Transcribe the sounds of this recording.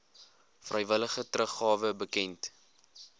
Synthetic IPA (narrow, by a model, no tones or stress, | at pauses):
frʔəjvələχətrəχɑːvəbəkɛnt